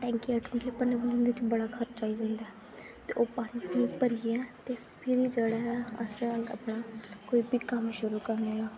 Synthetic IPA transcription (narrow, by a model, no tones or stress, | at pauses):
ʈɛ̃ːŋkiɛːʈʰʊ̃ŋkepəneːʋənd͡ʒɪnd̪eɪt͡ʃbəɽaːkʰəɾt͡ʃaːiːd͡ʒãːnd̪aːɛː | t̪eːʔoːpaːɽ̃iːpːniːpəɾɪeɛ̃ːt̪eː | pʰɪɾiːd͡ʒeːɽaɛːə̰sẽəə̰pɽaːkoːiːbiːkəmʃʊɾuːkəɾneːɡaː